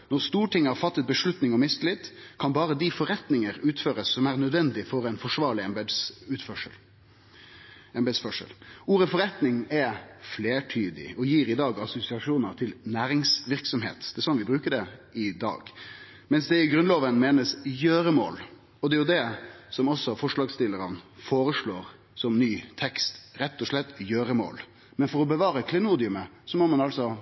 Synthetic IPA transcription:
nɔʁst̪uːʈʰɪŋːhɑɾfɑt̪ːət̪̚bəʂlʉt̪nɪŋɔmɪslɪt̪ːkʰɑnbɑːɾəd̪ɪfɔɾɛt̪nɪŋəɾʉːt̪føːɾəsːɔmæɾnœd̪ʋɛnd̪ɪfɔɾɛnfɔʂʋɑːɭɪɛb̪ʉːt̪fœʂə̰l | ɛmbɛd̪sfœʂə̰luːɾəfɔɾɛt̪nɪŋɛfleːʈʰyːd̪ɪ̰ɔjiːɾɪd̪ɑːɡɑsʊsɪɑʂuːnəɾt̪ʰɪlnæːɾɪŋsʋɪɾksɔmɦḛːt̪d̪̥ɛɛɾsɔnʋɪbɾʉːkəɖɛɪd̪ɑ̰ːɡ | mɛnsd̪ɛɪɡɾʉnloːʋənmeːnəsjøːɾəmo̰ːl | ɔd̪ɛæjʊd̪ɛsɔmɔsːɔfɔʂlɑːɡst̪ɪlːəɾənfoːɾəʂɭoːɾ | sɔmnyːt̪ʰɛkst̪ɾɛt̪ːɔʂɭɛt̪ːjøːɾəmo̰ːl | mɛnfɔɾɔbəʋɑːɾəkʰlɛnuːd̪ɪʉməsɔmɔmɑnɑlsɔ

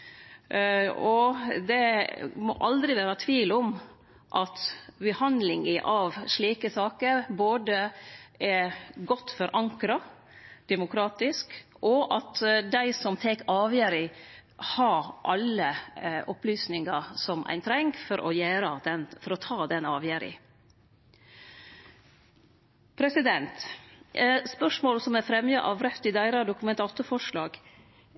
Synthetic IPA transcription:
ɔd̪ɛmɔ̰ʔɑld̪ɾɪʋæːɾɑt̪ʰʋiːlɔm | ʔɑt̪bɛhɑnd̪lɪŋəʔɑʋʂɭiːkəsɑːkəɾboːd̪əɛɡɔt̪ːfɔɾʔɑŋkɾɑ | d̪̥ɛmʊkʰɾɑːt̪ɪsk | ʔɔʔɑt̪d̪æɪsɔmt̪ʰɛkɑːʋjæɾɪhɑʔɑlːəʔɔplyːsnɪŋɑsɔmʔæ̰ɪnt̪ʰɾɛŋkfɔɾʔɔ̰jæːɾəd̪ɛnfɔɾɔt̪ʰɑːd̪ɛnɑːʋjæɾɪ̰ | pʰɾɛsɪd̪ɛnt̪ | spœʂmoːlsɔmæɾfɾɛmjɑʔɑʋɾɛft̪ɪd̪æɪɾɑd̪ʊkʉmɛnt̪ʰɑːt̪ʊfɔʂlɑːɡ̥

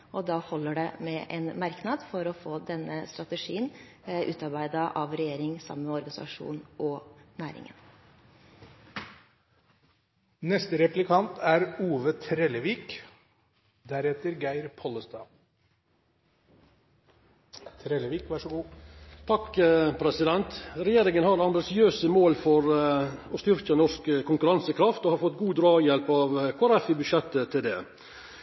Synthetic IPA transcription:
ɔd̪ɑːhɔlːəɖɛmɛʔɛnmɑɾknɑd̪fɔɾɔfoːd̪ɛnːəst̪ɾɑt̪əʂiːənʔʉːt̪ɑɾbæɪd̪ɑʔɑʋɾɛjeːɾɪŋsɑ̰mənmɛɔɾɡɑnɪsɑ̰ʂṵːnʔɔnæːɾɪ̰ŋə̰n | nɛst̪əɾɛplɪkʰɑnt̪ʰæɾuːʋət̪ʰɾɛləʋiːk | d̪æɾɛt̪əɾɡæɪɾpʰɔləst̪ɑː | t̪ʰɾɛləʋiːkʋæʂəɡuːt̪ʰɑkpʰɾɛsɪd̪ɛnt̪ɾɛjeːɾɪŋənhɑɾɑmbɪsɪøːsəmoːlfɔɾɔst̪ʏɾkənɔʂkəkʰʊŋkʉɾɑnsəkʰɾɑft̪ohɑɾfɔt̪ːɡuːd̪ɾɑːjɛlpɑʋkʰʊæɾɛfɪbʉdʃɛt̪ːət̪ʰɪld̪ɛː

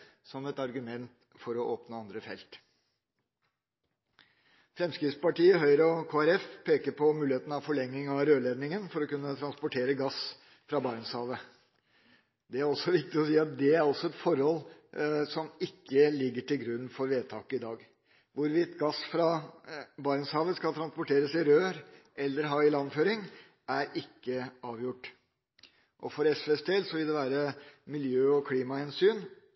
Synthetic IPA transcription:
sɔmɛt̪ɑɾɡʉmɛnt̪ | fɔɾɔʔoːpnəɑnd̪ɾəfɛ̰lt̪ | fɾɛmskɾɪt̪spɑʈiːəɦœʏɾəɔkʰoːæɾɛfpʰeːkəɾpʰɔmʉːlɪeːt̪n̩ɑʋfɔɭɛŋːɪŋɑɾøːleːd̪nɪŋənfɔɾɔkʉnːət̪ʰɾɑnspɔʈʰeːɾəɡɑs | fɾɑbɑɾnshɑːʋə | d̪ɛæɾɔsɔʋɪkt̪ɪɔsiːɑt̪̚d̪ɛæɾɑlsɔɛt̪fɔɾhɔlsɔmɪkːəlɪɡːəʈɪlɡɾʉnːfɔɾʋeːt̪ʰɑːkəɪd̪ɑːɡ | ʋʊɾʋɪt̪ːɡɑsfɾɑ | bɑːɾnshɑːʋəskɑlt̪ɾɑnspɔʈʰeːɾəsɪɾøːɾʔɛlːəɾɦɑɪlɑnːføːɾɪŋ | æɾɪkːəɑːʋjʊʈː | ʔɔfɔɾɛsfesd̪eːlsɔʋɪld̪ɛʋæːɾəmɪljøːɔkʰliːmɑhɛnsyːn

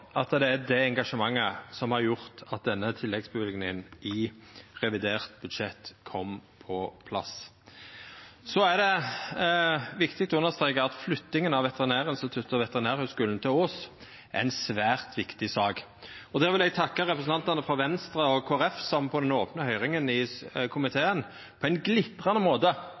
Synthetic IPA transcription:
ɑt̪d̪ɛæd̪ɛɛŋɡɑʂəmɑŋːəsɔmhɑɾjʊʁt̪ɑt̪̚d̪ɛnːət̪ʰɪlːɛɡsbəʋɪlɡnɪŋənɪʁɛʋɪd̪eːʁt̪bʉd̪ʂɛt̪kʰɔmːpʰɔpʰlɑ̰s | sɔæʁd̪ɛ | ʋɪkt̪ɪk̚t̪ɔʉnːəʁst̪ʁeːkəɑt̪flʏt̪ːɪŋənɑʋʋɛt̪əʁɪnæːʁɪnst̪ɪt̪ʰʉt̪ːɔʋɛt̪əʁɪnæːʁhœʉskʉːln̩t̪ʰɪloːs | æ̰ɾɛɪnsʋæːʁt̪ʰʋɪkt̪ɪsɑːɡ | ɔd̪ɛːʁʋɪlɛɡ̚t̪ʰɑkːəʁɛpɾəsn̩ɑnt̪ɑnəfʁɑʋɛnst̪ʁəɔkʰoːæɾɛfsɑmnpʰɔd̪ɛnoːpnəhœʏʁɪŋənɪkʰʊmɪt̪ʰeːən | pʰɔæɪnɡlɪt̪ʁɑnəmoːt̪ə

